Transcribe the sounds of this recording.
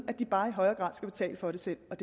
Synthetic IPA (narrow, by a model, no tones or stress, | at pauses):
æd̥ib̥ɑ̈ːiɦɒ̽ɪɐːɡ̥ʁɑ̰̈ːð̰ˠsɡ̥æb̥e̝t͡sʰɛ̰ːləfɒ̽ɾe̝sel̰ɒ̽d̥e